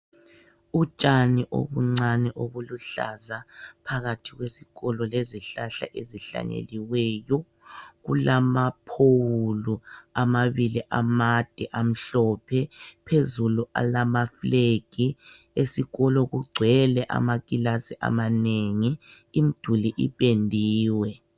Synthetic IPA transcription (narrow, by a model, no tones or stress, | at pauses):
ut͡ʃʼaniʔo̰βuŋ͡ǀanɛʔoβuluɬa̰zapʰaɣatʰiɣwesi̥ɣɔlɔleziɬaɬa̰ʔeziɬa̰ɲḛliwɛjɔ | ɣṵlamapʰowuluamaβiliʔamad̥ʱɛʔam̩ɬɔpʰɛpʰezuluʔa̰lamafleɡ̥i | esiɣɔlɔɣuɡ͡ǀʱwɛlɛʔa̰maɣilasiʔa̰maneŋi | im̩d̥ʱuliʔḭpʼendʱiːwɛ